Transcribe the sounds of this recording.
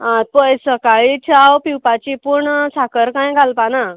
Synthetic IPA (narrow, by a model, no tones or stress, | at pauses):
ãt̪̚pəjsəkaɭit͡ɕʰawpiwpat͡ɕipuɳsakəɾkãjɡʱalpana